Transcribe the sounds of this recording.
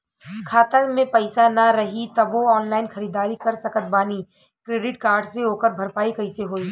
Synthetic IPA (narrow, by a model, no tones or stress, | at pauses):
kʰaːt̪əmẽpɐɪsanɐɾɐɦit̪ɐboɔːnlaːɪnxɐɾiːd̪aːɾikɐɾsɐkət̪̚baːni | kɾeːɖɪʈkaːɾɖseoːkəɾbʱɐɾpaːikɐɦɪseɦoːiː